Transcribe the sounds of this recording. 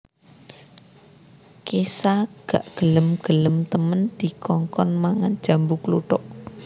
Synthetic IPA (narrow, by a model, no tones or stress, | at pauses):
kesaɡ̥aʔɡ̥ə̤ləmɡ̥ə̤ləmt̪əmənd̪̥i̤kʰɔŋkɔnmaŋan̥ʒ̥ä̤mbukluʈɔʔ